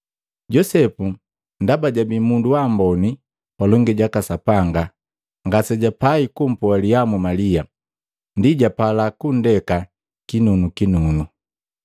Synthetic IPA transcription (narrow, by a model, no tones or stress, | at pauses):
ɟɔsɛpu | ndabaɟabimunduwambɔni | palɔŋɡiɟakasapaŋɡa | ŋɡasɛɟapaikum̩pualijamumalia | ndiɟapalakun̩dɛka | kinunukinunu